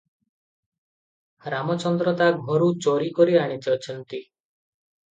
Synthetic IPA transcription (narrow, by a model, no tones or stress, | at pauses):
ɾamɔt͡ʃɔnd̪ɾɔt̪aɡʱɔɾut͡ʃoɾikɔɾiaɽ̃it̪ʰiɔt͡ʃʰɔnt̪i